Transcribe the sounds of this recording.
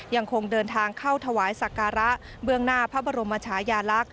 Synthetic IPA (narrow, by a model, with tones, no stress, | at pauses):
ja˧ŋkʰo˧ŋdɤː˧nt̪ʰaː˧ŋkʰa˥˩wt̪ʰa˧waː˩˦jsa˨˩kaː˧ɾa˦˥ʔ | bɯ˥˩əŋnaː˥˩pʰa˦˥bɔː˧ɾo˧mːaː˧t͡ɕʰaː˩˦˥jaː˧la˦˥k̚